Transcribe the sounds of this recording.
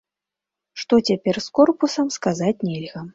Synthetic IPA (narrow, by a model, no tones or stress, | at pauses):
ʂt̪ɔt͡sʲapʲɛrskɔrpusɐmskazat͡sʲnʲɛlʲɣɐ